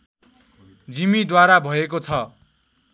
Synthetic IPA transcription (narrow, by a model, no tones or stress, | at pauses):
d͡zimid̪waɾabʱʌek̬ot͡sʰʌ